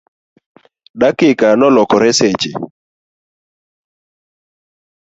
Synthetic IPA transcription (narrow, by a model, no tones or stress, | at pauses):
dakɪkanɔlɔkɔɾɛsɛt͡ʃɪ̰